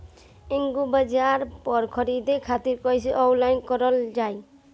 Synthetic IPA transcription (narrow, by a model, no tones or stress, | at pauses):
iŋɡubad͡ʒaɾpɔɾkʰɔɾid̪ekʰat̪iɾkɔjsʰiʔɔlajnkɔɾɔld͡ʒaj